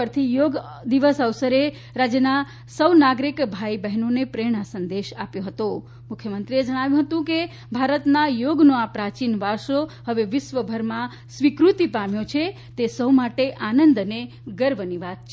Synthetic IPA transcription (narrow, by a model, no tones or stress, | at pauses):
əɾt̪ʰijoɡ | d̪iʋəsəʋsəɾe | ɾad͡ʒjəna | səwnaɡɾikbʱaibɛɦnonepɾeɽ̃asənd̪eʃapjoɦət̪o | mukʰjəmənt̪ɾied͡ʒəɽ̃aʋjũɦət̪ũke | bʱaɾət̪najoɡnõapɾat͡ʃinʋaɾʃoɦəʋeʋɪsʋəbʱəɾmã | sʋikɾut̪ipamjõt͡ʃʰe | t̪esəwmaʈeʔanənd̪əne | ɡəɾbəniʋad̪̚t͡ʃʰ